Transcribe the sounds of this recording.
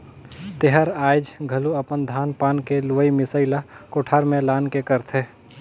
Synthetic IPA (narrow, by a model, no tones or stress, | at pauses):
t̪eɦəɾaːɪd͡ʒɡʱɐluɐpənd̪ʱaːnpaːnkeluʋəimɪsəɪlakoːʈʰaːɾmẽlaːnkekəɾt̪ʰeː